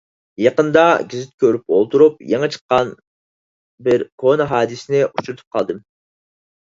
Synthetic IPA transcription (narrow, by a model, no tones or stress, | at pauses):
jɑqənd̪ɑɡʲizɪt̪̚kʲøɾypolˠt̪uɾupjeŋɨt͡ʃʰə̥qːɑn | bɪɾkʰonɑɦɑːd̪ɨsɪnɪʔut͡ʃʰuɾɨt̪ʰu̥p̚qʰɑlˠd̪ɨm